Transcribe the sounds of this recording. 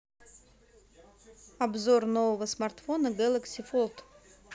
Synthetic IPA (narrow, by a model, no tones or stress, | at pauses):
abzornovəvəsmart̪fonəɡɛlˠəksʲɪfolˠt̪